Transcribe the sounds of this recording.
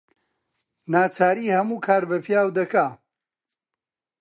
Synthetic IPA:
naːt͡ʃʰaːɾiːhɐmuːkʰaːɾbɐpʰjaːwd̪ɐkaː

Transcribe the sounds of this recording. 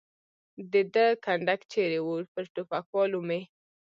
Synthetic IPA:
d̪əd̪əkʰaɳɖakt͡ʃeɾewoɽpəɾʈofakwɔlume

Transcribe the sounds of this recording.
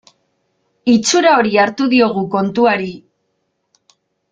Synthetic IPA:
it͡suɾao̞ɾiaɾt̪uðio̞ɣ̞uko̞nt̪uaɾi

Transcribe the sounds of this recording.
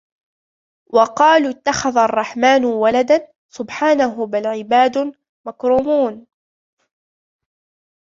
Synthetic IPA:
wɑqɑːluːɪt̪ːaxaðaɑrˤːɑħmaːnwalad̪an | sʊbħaːnaɦʊbalʕɪbaːd̪ʊ | makɾuːmuːn

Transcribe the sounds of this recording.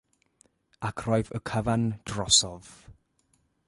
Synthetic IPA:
akʰrɔjvə̰kʰəvand̥rɔsɔð

